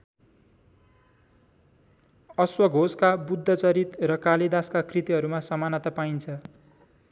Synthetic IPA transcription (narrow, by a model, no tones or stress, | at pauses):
ʌswʌɡʱoskabud̪ʱːʌt͡sʌɾit̪rʌkalid̪askakrit̪iɦʌɾumasʌmanʌt̪ʌpaint͡sʰʌ